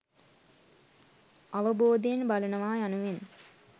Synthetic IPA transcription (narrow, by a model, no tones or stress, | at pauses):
aʋəboːd̪eenbalɐnɐʋaːjanuʋen